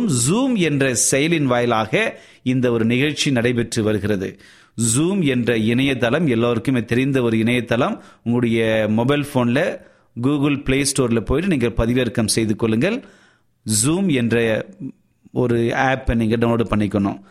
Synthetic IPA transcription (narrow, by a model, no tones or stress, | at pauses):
mzuːmɛndrɐsɛjɐlɪnʋaːjlaːɣɐ | ɪnd̪ɐɔɾɯnɪɣɐɻt͡ʃinɐɽɐɪp̬ɛʈrɯʋɐɾɯɣɪrɐðɯ̰ | zuːmɛndrɐɪɳɐjɐt̪ːɐlɐmɛlːaːɐɾɯkːɯmeːt̪ɛɾɪnd̪ɐɔɾɯɪɳɐjɐt̪ːɐlɐmʊŋɡɯɽɐjɐmɔbɐɪlfoːnlɐ | ɡuːɣɯlpɪleːsʈoːɾlɐpoːjʈːɯniːŋɡɐɭpɐðɪʋɛɾkɐmsɛjðɯkːɔɭːɯŋɡɐɭ | zuːmɛndrɐ | ɔɾɯaːpːniːŋɡɐɽɐnoːɽɯpɐɳːɪkːɐɳo̰ː